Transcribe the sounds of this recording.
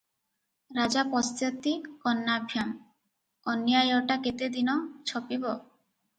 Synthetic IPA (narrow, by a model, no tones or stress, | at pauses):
ɾad͡ʑapɔst̪ɔt̪ːikɔnːabʱjam | ɔnjajɔʈaket̪ed̪inɔt͡ɕʰɔpibɔ